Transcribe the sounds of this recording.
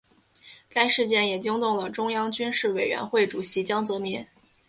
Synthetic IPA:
ka˥ɪʂɻ̩˥˧t͡ɕjɛ˥˩njɛ˨˩t͡ɕi˥ŋt̪ʊ˥˩ŋlə˩ʈ͡ʂʊ˥ŋjɑ˥ŋt͡ɕy˥nʂɻ̩˥˩we˨˩ɪɥɛ̰˧˥nxwe˥˩ɪʈ͡ʂu˨˩ɕi˧˥t͡ɕjɑ˥ŋt͡sɤ˧˥mi˧˥n

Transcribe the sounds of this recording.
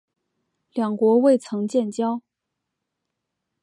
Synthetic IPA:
ljɑ˨˩ŋkwɔ˧˥we˥˩ɪt͡sʰɤ˧˥ŋt͡ɕjɛ˥˩nt͡ɕjɑ˥ʊ

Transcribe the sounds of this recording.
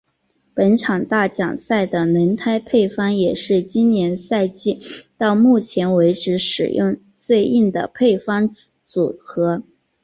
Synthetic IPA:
pə˧˥nʈ͡ʂʰɑ˨˩ŋt̪a˥˩t͡ɕjɑ̰˨˩ŋsa˥˩ɪd̪ə˩nə˧˥nt̪ʰa˥ɪpʰe˥˩ɪfɑ˥ŋjɛ˨˩ʂɻ̩˥˩t͡ɕi˥nnjɛ˧˥nsa˥˧ɪt͡ɕi˥˧t̪ɑ˥˧ʊmu˥˩t͡ɕʰjɛ˧˥nwe˧˥ɪʈ͡ʂɻ̩˧˥ʂɻ̩˨˩jʊ̰˥˧ŋ | swe˥˧ɪʔi˥˩nd̪ə̰˩pʰe˥˩ɪfɑ˥ŋ | t͡su˨˩kɤ˧˥

